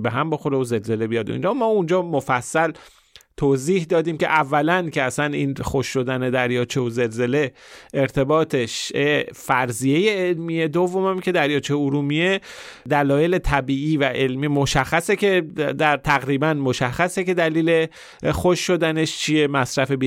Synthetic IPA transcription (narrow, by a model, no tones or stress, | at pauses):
beɦæmbo̞xo̞ɾeoze̞lze̞le̞bijɒd̪o̰ḭnd͡ʒɒːmɒːund͡ʒɒːmofæsːæl | t̪ʰoziːhd̪ɒːd̪iːmcʰe̞̰ʔævːælæncʰe̞æsæniːnxoʃːo̞d̪æne̞d̪æɾjɒːt͡ʃʰeoze̞lze̞le̞eɾt̪ʰe̞bɒːt̪ʰeʃefæɾzijejeelmiːe̞d̪ovːo̞mæmcʲʰe̞d̪æɾjɒːt͡ʃʰeuɾuːmied̪ælɒːje̞let̪ʰæbiːiːvæʔe̞lmiːmoʃæxːæsecʰe̞d̪æɾt̪ʰæɣɾiːbænmoʃæxːæseke̞d̪æliːle̞ | xoʃːo̞d̪æne̞ʃt͡ʃʰiemæsɾæfebi